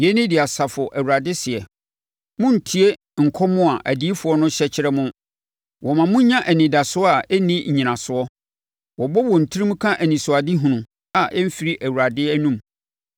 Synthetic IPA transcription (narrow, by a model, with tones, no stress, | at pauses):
jɛ˦nɪ̃˦dɪ˨a˨sa˨fʊ˨ʔæ˨wu˨ɾa˨dɪ˦sɪ˨ɛ˨ | mʊ̃˦n̩˨tʰi˦e˦ | ŋ̩˨kʰɔ˦mʊ̃˦a˨ʔæ̰˨di˦i˦fʊ˨ɔ˦nʊ̃˦ɕɛ˦t͡ɕʰɪ˦ɾɛ˦mʊ̃˦ | wɔ˨mã˨mʊ̃˦ɲã˦ʔæ˨nĩ˨da˨sʊ˦ɔ˦a˨ɛ˦nĩ˦ɲ̩˨ɲĩ˨nã˨sʊ˨˦ɔ˦ | wɔ˨bɔ˦wɔ˨n̩˨tʰi˦ɾĩ˦m̃˦kʰã˦ʔæ˨nĩ˨sʊ˨a˨dɪ˦ɦũ˨nʊ̃˨ | a˨ʔɛ˦m̩˦fi˦ɾi˦ʔæ˨wu˨ɾa˨dɪ˦æ˦nũ˦m